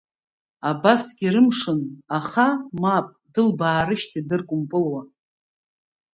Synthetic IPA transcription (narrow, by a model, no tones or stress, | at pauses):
abasɡʲiɾɨmʂɨnaχamapʼdɨlbaːɾɨʃtʰidɨrkʷʼʊmpʼɨlwa